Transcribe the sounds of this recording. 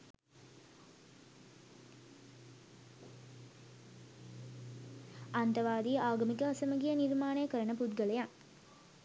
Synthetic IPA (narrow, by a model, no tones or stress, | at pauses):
ant̪ɐʋaːd̪iʔaːɡɐmikəɐsəməɡijənirmaːnejəkəɾənəpud̪ɡəlejaŋ